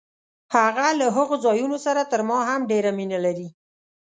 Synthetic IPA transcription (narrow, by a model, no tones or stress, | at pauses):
haɣalaɦəɣozɑjunosaɾat̪əɾmɑɦamɖeɾaminalaɾi